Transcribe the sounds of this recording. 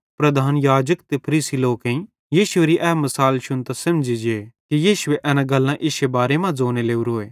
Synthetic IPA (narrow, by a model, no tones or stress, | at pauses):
pɾɐd̪ʱaːnjaːd͡ʒəkt̪epʰɐɾiːsiloːkẽĩ | jiːʃʊeɾiʔɛːmɐsaːlʃʊnt̪asɐmd͡ʒid͡ʒeːkijiːʃʊeʔɛːnãɡɐlːãʔɪʃebaːɾemãd͡zoːneleːuɾoːeː